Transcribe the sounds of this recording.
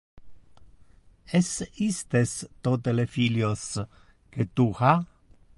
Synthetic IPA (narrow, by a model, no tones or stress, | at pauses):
esist̪est̪ot̪elefiljos | ket̪uxa